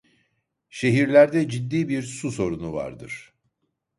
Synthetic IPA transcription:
ʃe̞ɦiɾlʲæɾd̪ɛd͡ʒid̪ːiːbiɾsuso̞ɾunuva̰ɾd̪ɯ̰ɾ̥

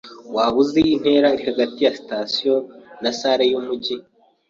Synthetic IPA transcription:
waβuzein̥he̞ːɾaiɾihaɡatijasi̥tasijo̞nasaɾejumuɟi

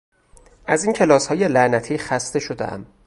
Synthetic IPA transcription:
ʔæzincʰe̞lɒːshɒːje̞lænæt̪ʰiːxæst̪e̞ʃod̪ḛʔæ̰m

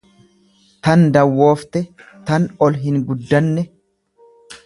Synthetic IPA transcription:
t̪ɐnd̪ɐwːo̞ːft̪ɛt̪ɐnɔlɦɪŋɡʊd̪ːɐnːɛ

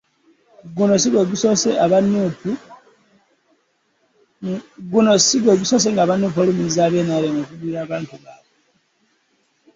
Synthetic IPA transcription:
ɡuno̞s̬iɡwe̞ːɡusoseaβanupu | ɡunosiɡeːɡuso̞ːs̬e̞ŋɡaːβanːup̬olumizaːβjeːnaβjenokuβujaːβaːntuβaːβe

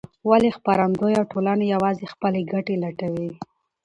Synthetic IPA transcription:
walexpaɾand̪ojawʈolanejawɑzexpəleɡaʈelaʈawi

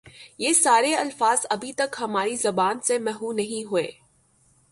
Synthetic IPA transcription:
jeːsaːɾeɐlfaːzɐbʱit̪ɐkɦɐmaːɾizɐbaːnsemɛːɦũnɐɦĩɦʊeː

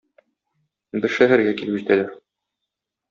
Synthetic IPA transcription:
bɘɾʃæɦæɾɡækilbɘ̆ʑit̪ælæɾ

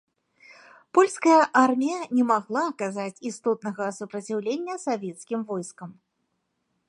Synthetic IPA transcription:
pɔlʲskɐjɐʔarmʲijɐnʲɛmaɣlˠaːkazat͡sʲist̪ɔt̪nɐɣɐsupɾɐt͡sʲiwlʲenʲːɐsavʲɛt̪skʲimvɔjskɐm

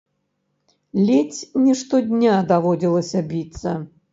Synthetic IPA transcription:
lʲɛt͡sʲnʲɛʂt̪ɔd̪ʲnʲad̪avɔd͡zʲilˠɐsʲɐbʲit̪sːɐ

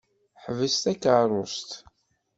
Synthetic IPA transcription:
ħvəst̪ækəɾˤʊst̪

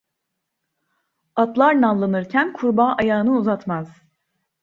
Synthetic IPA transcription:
at̪lˠaɾnalˠːɯnɯɾcʰænkʰuɾbaːʔajaːɯnɯuzat̪maz̥

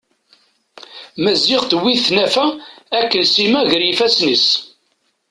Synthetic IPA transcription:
mæzɪʁθəwːiθnæfæækːənsimæʝəɾjifæsnis

